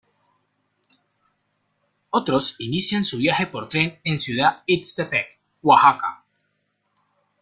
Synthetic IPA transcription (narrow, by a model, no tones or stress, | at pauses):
ot̪ɾo̞sinisjansuβjaxepo̞ɾt̪ɾe̞nensjuðaitst̪epek | waxaka̰